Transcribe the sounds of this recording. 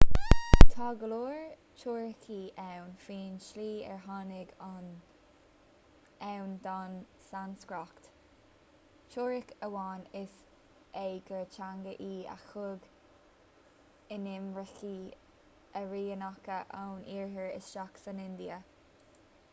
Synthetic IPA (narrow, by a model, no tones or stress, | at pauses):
t̪ʰɑːɡəloːɹ | t͡ʃʰoːɹɪkʰiːɛwnfɹiːnʃliːɛ̰ɹɦɑːnɪɡan | ɛwnd̪an | sanskɹɔkt̪ | t͡ʃʰoːɹɪkəwɑːnɪs | ejɡət͡ʃaŋɡəʔiːa̰xʊɡ | ɪnɪmɹəxiː | əɹiːənakəʔawnʔiːɹɦəɹɪ̰sʃaksənɪnd̪iə